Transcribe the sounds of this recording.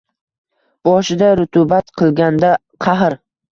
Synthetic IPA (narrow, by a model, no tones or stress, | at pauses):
b̥ɒʃɪd̪aɾʊt̪ʰubat̪qʰɨlˠɡʲand̪a | qʰɑɦɾ